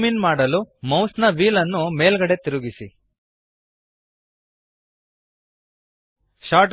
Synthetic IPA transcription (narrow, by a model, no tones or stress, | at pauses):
minmaːɽɐlumɐwsnɐʋiːlɐnːume̞ːlɡɐɽe̞t̪iɾuɡisi | ʃaːʈ